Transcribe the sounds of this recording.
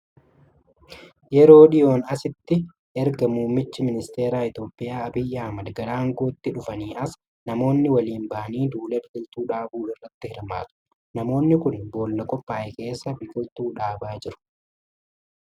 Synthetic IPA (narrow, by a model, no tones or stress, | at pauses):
jɛɾo̞ːɗɪjo̞ːnɐsɪt̪ːɪ | ʔɛɾɡɐmuːmːɪt͡ʃːɪmɪnɪst̪e̞ːɾaːɪt̪jo̞ːpʼːɪjaːɐbɪjːɐɐmɐd̪ɡɐlaːŋɡo̞ːt̪ːɪᶑʊfɐniːʔɐs | nɐmo̞ːnːɪwɐliːmbɐʔɐniːd̪uːlɛbɪd͡ʒɪlt̪uːᶑaːbuːɪrːɐt̪ːɪhɪɾma̰ːt̪ʊ̥ | nɐmo̞ːnːɪkʊnboːlnɐkʼɔpːaːʔɛke̞ːsːɐbɪɡɔlt̪uːᶑaːbaːd͡ʒɪɾʊ̥